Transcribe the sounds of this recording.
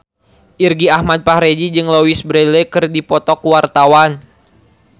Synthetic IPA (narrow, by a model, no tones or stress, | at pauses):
ʔirɡiahmad̪̚pahɾed͡ʒid͡ʒɨŋlowisbɾelɛkɨrdipɔt̪ɔkuwart̪awan